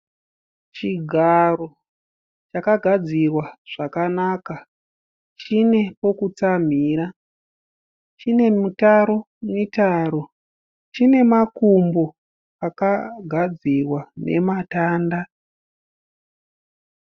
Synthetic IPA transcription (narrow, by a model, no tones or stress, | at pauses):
t͡ʃiɡʱaro̞ | t͡ʃakaɡʱad͡zirwaʐ̥akanaːka | t͡ʃine̞po̞kut͡sam̤iːɾa | t͡ʃine̞mutaɾo̞ | mitaːɾo̞ | t͡ʃine̞makumbo̞ | akaɡʱad͡zirwane̞mataːnda